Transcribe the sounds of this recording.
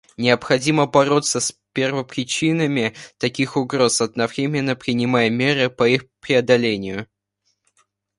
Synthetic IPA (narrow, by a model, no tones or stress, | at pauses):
nʲɪəpxɐdʲiməbɐɾo̞t̪səspʲe̞rvəpɾʲɪt͡ɕinəmʲɪt̪ɐkʲixʊɡɾo̞sɐd̪nɐvɾʲemʲɪnːəpɾʲɪnʲɪmajəmʲe̞ɾɨpɐixpɾʲɪɐd̪ɐlʲenʲɪjʊ